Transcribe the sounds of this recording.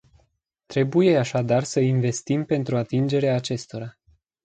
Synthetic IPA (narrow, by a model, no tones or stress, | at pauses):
t̪ɾe̞buje̞aʃad̪arsəinve̞st̪impe̞nt̪ɾuat̪ind͡ʒe̞ɾeaːt͡ʃe̞st̪o̞ɾa